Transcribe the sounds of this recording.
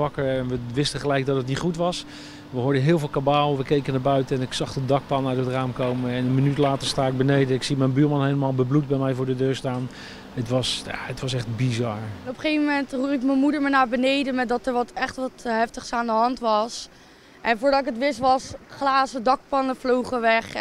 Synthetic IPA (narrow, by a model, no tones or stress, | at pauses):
ɑkəɹɛnʋəʋɪstəχəlɛjɡ̚dɑtɦətnitχutʋɑs | ʋəɦoːɹdəɦɪːlˠvɪːlˠkabaːlˠʋəkejkənaːɹbœɥtəɛnɪksɑχədɑk̚pɑnœɥtɦətraːmkowməɛnənmənytlaːtəɹstaːɪɡ̚bənejdənɪksimɛjnbyːɹmɑnɦejləmaːlˠbəblut̚bɛjmɛjvʊːɹdədøːɹstaːn | ətʋɑsja̰ətʋɑsɛχd̚bizɑɹnɔpəχejvməmɛntrurɪkmənmudəɹmanaːbənejdənmɛt̚dɑtəɹʋɑtʰɛχtʋɑtɦɛftəχsaːndəɦɑntʋɑs | ʔɛnvʊːɹdɑtɪkətʋɪstʋɑsχlaːsədɑk̚pɑnəflowχəʋɛχ